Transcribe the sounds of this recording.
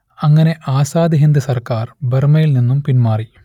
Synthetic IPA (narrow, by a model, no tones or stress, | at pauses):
ɐŋːɐne̞ʔaːsaːd̪iɦind̪ɐsɐrkaːrbermɐjilninːumpinmaːri